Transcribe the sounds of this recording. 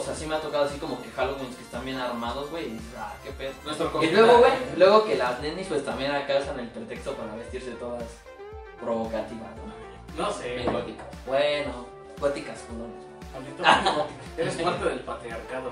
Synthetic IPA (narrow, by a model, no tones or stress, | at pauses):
oseasime̞at̪o̞kaðoas̬iko̞mo̞kexaloɣwinskest̪anbje̞naɾmað̞o̞zɣwejiðisesa̰kepenonwest̪ɾokoilweɣowelweɣo̞ke̞laznenispwe̞st̪ambje̞nakawsane̞lpɾe̞t̪e̞kst̪o̞paɾaβe̞st̪iɾs̬e̞t̪o̞ðas | pɾo̞βo̞kat̪iβazwe | noseelot̪ikḁsbweno | ɡot̪ikaskuɾoneset̪amjent̪oaot̪ikaeɾespaɾt̪eðelpat̪ɾiaɾkaðo